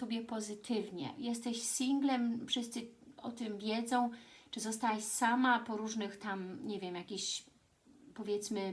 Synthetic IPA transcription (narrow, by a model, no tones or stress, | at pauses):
sɔbʲjɛpɔzɘt̪ʰɘvɲɛ̰jɛs̬t̪ɛɕsʲiŋɡlɛmfʂɘst̪sɘɔt̪ɘmvʲjɛd̪zɔ̃w̃t͡ʂɘzɔs̬t̪awaɕsamapɔɾuʐnɘxt̪amɲɛvʲjɛmjakʲiɕ | pɔvʲjɛt̪smɘ